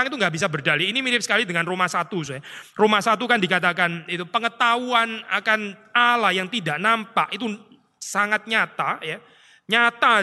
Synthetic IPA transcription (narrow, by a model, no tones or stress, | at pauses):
aŋit̪uŋɡaʔbis̬abərdaliinimiɾɪp̚sə̥kalidəŋanromasat̪usojaromasat̪̬ukandikat̪akanit̪upəŋət̪auana̰kanalajaŋt̪idaʔnampaʔit̪u | saŋat̪̚ɲat̪aja | ɲat̪a